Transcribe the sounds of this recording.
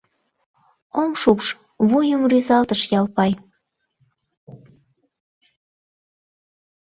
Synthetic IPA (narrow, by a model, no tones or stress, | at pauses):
omʃukʃ | βujəmryzɑlt̪əʃjɑlpɑj